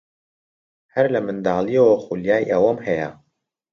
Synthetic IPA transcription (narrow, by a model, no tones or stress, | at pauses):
hɛɾlɨmɨnd̪aːlieoxuljaːjʔɛwɔmhɛja